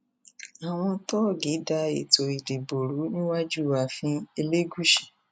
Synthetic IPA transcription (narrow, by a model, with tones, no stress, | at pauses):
a˨w̃ɔ̃˧tɔ˦˨ɡi˨˦da˧e˨to˨i˨de˨bo˨ɾu˨˦nĩ˦wa˦d͡ʒu˦˨wa˧fĩ˧˦e˧le˦ɡu˦ʃi̥˦˨